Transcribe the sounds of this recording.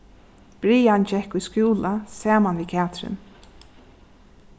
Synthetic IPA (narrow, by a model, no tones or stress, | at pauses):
b̥ɾiːant͡ʃɛhkʊjskuːlasaːmanʋiːkʰaːt̪ɾɪ̰n